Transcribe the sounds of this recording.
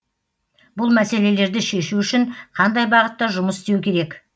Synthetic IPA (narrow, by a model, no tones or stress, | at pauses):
bʊlˠmæse̞le̞le̞ɾd̪ɪʃe̞ʃuʏʃɪɴqʰɑnd̪ɑjbɑʁət̪ːɑʒʊməsɪst̪ewkʲʰe̞ɾe̞k